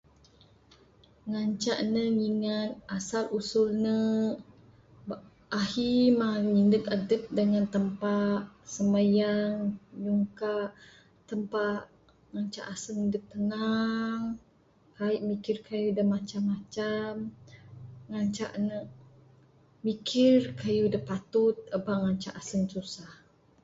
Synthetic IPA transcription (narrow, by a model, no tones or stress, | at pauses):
ŋaɲt͡ʃaʔnəŋiŋat̪̚ʔasalusulnə | b | ahimaɲindəkadəp̚dəŋant̪əmpaʔ | səmajaŋjuŋkaʔ | t̪əmpaʔ | ŋaɲt͡ʃa̰ʔasəŋdək̚t̪ənaŋ | kaiʔmikirkʰajudahmat͡ʃamːat͡ʃam | ŋaɲt͡ʃa̰ʔnə | mikʰɪrkajudəpat̪ʊt̪̚əbaŋaɲt͡ʃa̰ʔasəŋsusah